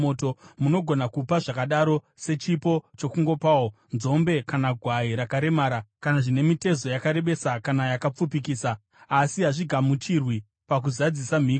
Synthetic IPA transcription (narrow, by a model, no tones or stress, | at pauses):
oːto̞muno̞ɡʱo̞nakupaʐakaɗaɾo̞ | se̞t͡ʃipo̞t͡ʃo̞kuŋɡo̞pawo | nzo̞mbe̞kanaɡʱwaiɾakaɾe̞maːɾakanaʐine̞mite̞zo̞jakaɾe̞ɓe̞sakanajakap͡fupikiːsaː | siɦaʐiɡʱamut͡ʃirwi | pak̬uzad͡zisam̤iː